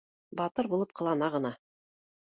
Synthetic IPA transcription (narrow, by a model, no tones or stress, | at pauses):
bɑt̪ɤɾbulˠɤp̚qʰɤ̆lˠɑnɑʁɤ̆nɑ